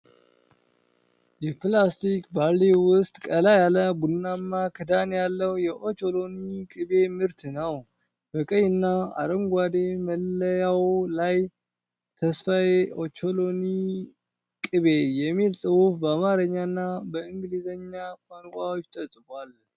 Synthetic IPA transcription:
jɛplast̪ikbaɾliwʊst̪ʼkʼəlajaləbunːamːakʰɨd̪anjalːəwjɛʔo̞t͡ʃo̞lo̞nikʼɨβe̞mɨɾt̪nəw | bəkʼəjɨnːaa̰ɾəmɡʷad̪eməlːəjawlaj | t̪ʰəsfajo̞t͡ʃoloni | kʼɨβejɛmːilsʼɨwufbəamaɾəɲːanːabəɨŋɡɨlizəɲːakʷʰʼaŋkʷʼawot͡ʃːt̪ʼəsʼɨbal

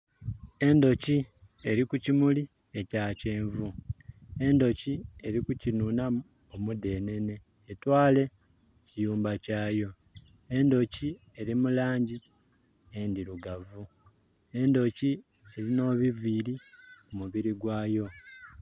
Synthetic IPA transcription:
e̞ndo̞ci | e̞ɾikucimuli | e̞caːce̞ːɱvu | e̞ndo̞cie̞ɾikucinuːna | omude̞ne̞ne̞ː | twaːle̞ | cijuːmbacaːjo̞ | e̞ndo̞ci | e̞ɾimulaːɲɟi | endiɾuɡavu | e̞ndo̞ci | e̞ɾino̞ːβiviːɾikumuβiɾiɡwaːjo̞

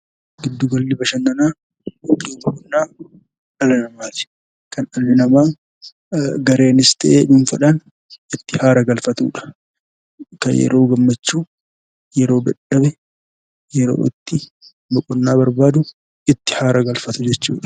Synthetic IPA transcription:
ɡɪd̪ːʊɡɐlːɪbɐʃɐnːɐnaː | kːiːmɐkʼʊnːaː | ɐlɐnɐmaːt̪ɪ̥ | kɐnɐlːɪnɐmaː | ɡɐɾe̞ːnɪst̪ʰɐʔeːdʊnfɐᶑan | ɪt̪ːɪhaːɾɐɡɐlfɐt̪ṵːᶑɐ̥ | kɐ̰jɛ̰ɾʔo̞ːɡɐmːɐt͡ʃːuː | jɛɾo̞ːbɐᶑɐβɛ | jɛɾo̰ːʔɪt̪ːɪ | mɐkʼɔnːaːbɐɾbaːd̪ʊ | ɪt̪ːɪ̥haːɾɐɡɐlfɐt̪ʊd͡ʒɛt͡ʃːṵːᶑɐ̥

